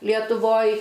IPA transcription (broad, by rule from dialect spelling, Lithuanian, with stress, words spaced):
lʲiɛtʊˈʋoːj